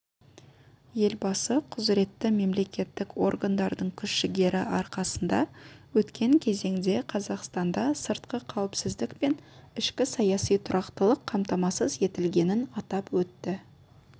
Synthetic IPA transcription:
je̞lbɑsəqʰʊzɾe̞t̪ːɪme̞mle̞kʲe̞t̪ːɪkwo̞̰rɡand̪ɑɾd̪əɴkʲʰʏsʃɪɡʲe̞ɾɪʔɑɾqɑsənd̪ɑ̰wɵt̪kʲe̞ŋkʲʰe̞ze̞ŋd̪e̞qʰɑzɑqst̪ɑnd̪ɑsəɾt̪qəqʰɑwɪpsɪzd̪ɪkpe̞nɪʃkʲɪsɑjɑsijt̪ʰʊɾʔɑqt̪əlˠəqʰːɑmt̪ɑmɑsəzje̞t̪ɪlɡʲe̞nɪnɑt̪ɑpwɵt̪ːɪ

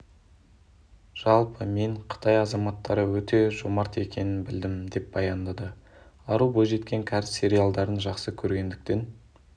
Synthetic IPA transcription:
ʒ̥ɑlˠpəme̞ɴqʰə̥t̪ɑjɑzɑmɑt̪ːɑɾəwɵt̪e̞ʒomɑɾt̪e̞kʲe̞nɪnbɪld̪ɪmd̪e̞p̚bɑjɑnd̪ɑd̪ə | ɑɾubojʒe̞t̪kʲe̞ŋkʲʰɑɾssʲe̞ɾijalˠd̪ɑɾənʒɑqsəkʲʰɵɾɡʲe̞nd̪ɪk̚t̪e̞n

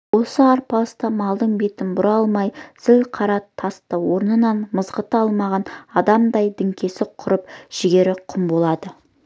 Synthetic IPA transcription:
wo̞səɑɾpɑst̪ɑmɑlˠd̪əɴbe̞t̪ɪnbʊɾɑlˠmɑjsɪlqʰɑɾɑt̪ʰːɑst̪əwo̞ɾnənɑnməzʁət̪əɑlˠmɑʁɑnɑd̪ɑmd̪ɑjd̪ɪŋkʲʰe̞sɪqʰʊɾəp̚ʒ̥ɪɡʲe̞ɾɪqʰʊmbo̞lˠɑd̪ə

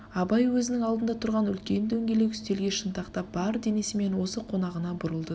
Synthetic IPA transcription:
ɑbɑjwɵzɪnɪŋɑlˠd̪ənd̪ɑt̪ʰʊɾʁɑnʏlkʲe̞nd̪ɵŋɡʲe̞le̞kʲʏ̥st̪e̞lɡʲe̞ʃənt̪ɑqt̪ɑp̚bɑɾd̪e̞ne̞sɪme̞nwo̞səqʰo̞nɑʁənɑbʊɾəlˠd̪ə

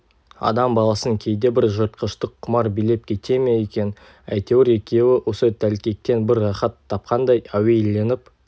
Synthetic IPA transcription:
ɑ̰d̪ɑmbɑlˠɑsəŋkʲʰe̞jd̪e̞bɪɾʒəɾt̪̚qəʃt̪əqʰːʊmɑɾbile̞p̚kʲʰe̞t̪e̞me̞jekʲe̞n | æ̰jt̪e̞wɪɾe̞kʲe̞wɪwʔo̞sət̪ʰælkʲe̞k̚t̪e̞nbɪɾːɑχɑt̪ʰːɑp̚qɑnd̪ɑjæwe̞jle̞nɪp

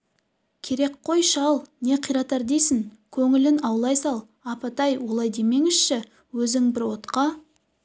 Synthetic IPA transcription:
kʲʰe̞ɾe̞k̚qʰo̞jʃɑlˠne̞qʰijɾɑt̪ɑɾd̪ejsɪŋkʲʰɵŋɪlɪnɑwlˠɑjsɑlˠ | ɑpɑt̪ɑjwo̞lˠɑjd̪e̞me̞ŋɪz̥ʃɪ | wɵzɪŋbɪɾwo̞t̪qɑ

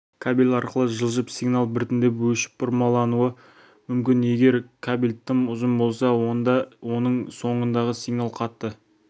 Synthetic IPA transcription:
kʰabilʲɑɾqəlˠəʒəlˠʒəpsijɡnalˠbɪɾt̪ɪnd̪e̞pwɵʃɪ̥p̚ʰʊɾmɑlˠɑnuə | mʏmkʲɪne̞ɡʲe̞ɾkʰabilʲt̪ʰːəmʊzəmbo̞lˠsɑnd̪ɑwo̞nəɴso̞ɴənd̪ɑʁəsiɡnɑlˠqʰɑt̪ːə

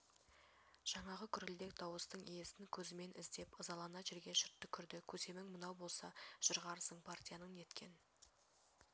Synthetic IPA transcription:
ʒ̥ɑɴɑʁəkʲʰʏɾɪld̪e̞k̚d̪ɑwəst̪əɴije̞sɪnkʲʰɵzɪme̞nʔɪzd̪e̞pəzɑlˠɑnɑʒeɾɡʲe̞ʃɪɾt̪ːɪkʲʰʏɾd̪ɪkʲʰɵze̞mɪŋmənɑwbo̞lˠsɑʒ̥ʊɾʁɑɾsəɴpʰart̪ʲijɑnəɴje̞t̪kʲʰe̞̰n

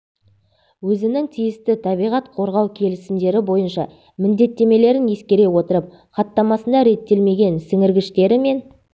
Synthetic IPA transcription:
wɵzɪnɪŋt̪ʰijɪst̪ɪt̪ʰɑbijʁɑt̪qʰo̞ɾʁɑwkʲʰe̞lɪsɪmd̪e̞ɾɪbo̞jənʃɑ̰ | mɪnd̪e̞t̪ːe̞me̞le̞ɾɪne̞skʲe̞ɾe̞wo̞t̪əɾəp̚ | χɑt̪ːɑmɑsənd̪ɑɾe̞t̪ːe̞lme̞ɡʲe̞nsɪŋɪɾɡʲɪʃt̪e̞ɾɪme̞n

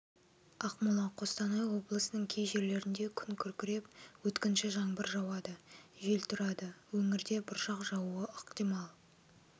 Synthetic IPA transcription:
ɑqmʊlˠɑqʰo̞st̪ɑnɑjwo̞blˠəsənəɴkʲʰejʒe̞ɾle̞ɾɪnd̪ekʲʰʏŋkʲʰʏɾkʲɪɾe̞p̚wɵt̪kʲɪnʃɪʒɑɴbəɾʒɑwɑd̪əʒelt̪ʰʊɾɑd̪əwɵŋɪɾd̪e̞bɪɾʒɑqʒɑwuəəqt̪ijmɑlˠ

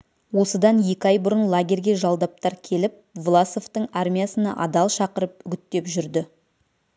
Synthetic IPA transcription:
wo̞səd̪ɑnje̞kʲɪɑjbʊɾənlˠaɡʲe̞ɾɡʲe̞ʒɑlˠd̪ɑp̚t̪ɑɾkʲʰe̞lɪp̚vlˠaso̞ft̪əɴarmʲijasənɑ̰ʔɑd̪ɑlˠʃɑqəɾəpʏɡʲɪt̪ːe̞pʒʏɾd̪ɪ

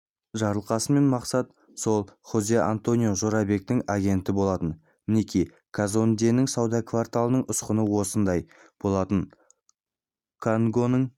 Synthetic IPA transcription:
ʒɑɾəlˠqɑsəme̞nmɑqsɑt̪ | so̞lˠχozea̰nt̪o̞nijo̞ʒo̞ɾɑbe̞k̚t̪ɪŋaɡʲe̞nt̪ɪbo̞lˠɑt̪ən | mɪne̞kʲij | kʰazo̞nd̪enɪŋsɑwd̪ɑkvart̪alˠənəɴʊsqənəwo̞sənd̪ɑj | b̥o̞lˠɑt̪ən | kʰaŋɡo̞nəɴ

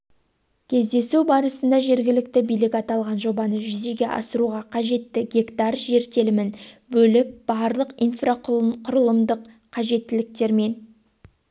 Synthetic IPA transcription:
kʲʰe̞zd̪e̞subɑɾəsənd̪ɑʒe̞ɾɡʲɪlɪk̚t̪ɪbijlɪkʲɑt̪ɑlˠʁɑnʒo̞bɑnəʒʏze̞ɡʲe̞ʔɑ̰səɾuʁɑqʰɑʒe̞t̪ːɪɡʲe̞kt̪ɑrʒe̞ɾt̪e̞lɪmɪnbɵlɪp̚b̥ɑɾlˠəqijnfraqqʰʊɾəlˠəmd̪əq | qʰːɑʒe̞t̪ːɪlɪk̚t̪e̞ɾme̞n

